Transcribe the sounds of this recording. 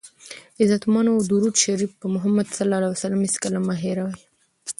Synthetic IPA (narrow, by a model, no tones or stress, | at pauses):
ɪzat̪mɑnad̪uɾud̪ʃaɾifpəmʊɦamːad̪salːɑlawsalamiskalamaɦeɾawaj